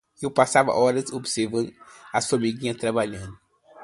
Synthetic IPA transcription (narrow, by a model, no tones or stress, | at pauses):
ewpasavɐ̰ʔɔɾɐsobiseɾvɐ̃d̪asoɐmiɡĩɲɐt̪ɾabaʎɐ̃nd̪ʊ